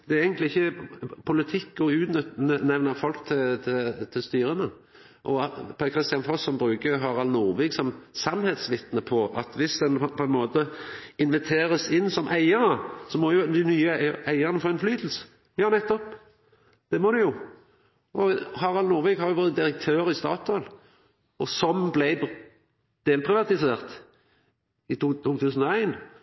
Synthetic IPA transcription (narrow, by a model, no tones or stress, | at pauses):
d̪̥ɛæɾæɪɡənt̪lɪɪçːəpʰʊlɪt̪ʰɪkːɔʉːt̪nʏt̪nənɛʋnəfɔlkt̪ʰɪlt̪ʰɪlt̪ʰɪlst̪yːɾənə | ʔɔpʰækʰɾɪst̪ɪɑnfɔsːɔmbɾʉːkəɦɑːʁɑlnʊʁʋiːɡsɔmsɑnhɛːt̪sʋɪt̪nəpʰɔʔɑt̪ʋɪsd̪ɛnpʰɔɛnmoːt̪əɪnʋɛt̪ʰeːɾəsɪnːsɔmʔæɪəɾəsɔmɔjʊd̪ɪnyːəæɪəʁnəfoːæɪnflyːt̪l̩sə̥ | ɑːnɛt̪ːɔpː | d̪̥ɛmɔd̪ɛjʊ | ʔɔɦɑːʁɑlnʊːɾʋiːɡhɑɾjʊʋɔɾəd̪ɪɾək̚t̪ʰøːɾɪst̪ɑ̰ːt̪ʰɑl | ɔsɔmblæɪ | d̪̥eːlpʰʁɪʋɑt̪ɪseːʁt̪ | ɪt̪ːʰuːt̪ʰʉːsənɔæɪn